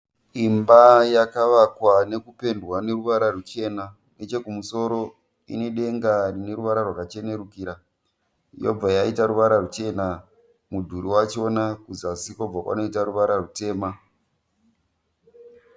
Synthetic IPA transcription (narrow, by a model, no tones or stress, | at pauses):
imbajakaʋakwane̞kupe̞ndwane̞ruʋaɾarut͡ʃe̞na | ne̞t͡ʃe̞kumuso̞ɾo̞ | ḭne̞ɗe̞ŋɡarine̞ɾuʋaɾarwakat͡ʃe̞ne̞ɾukiːɾa | jo̞̰b͡vajaitaɾuʋaɾarut͡ʃe̞na | mudʱuɾiwat͡ʃo̞nakuzasikob͡vakwa̰no̞itaɾuʋaɾarute̞ːma